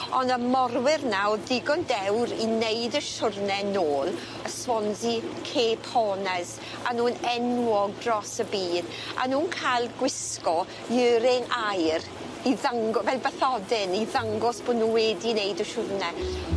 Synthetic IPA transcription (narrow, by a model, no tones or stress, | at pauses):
ɔndəmɔrwɪrnaɔdɪɡɔndɛwɾinejdəʃʊrnɛnoːlˠ | əswɔnzikʰeːpʰɔːnɛz | a̰nuːnɛnwɔɡ̚drɔsəbiːd | a̰nuːnkʰajlˠɡwɪskɔ | jɨːɾɪŋajr | iðaŋɡɔvɛlˠbɛθɔdɪniðaŋɡɔsb̥odnuːwɛdinejdəʃʊrnɛ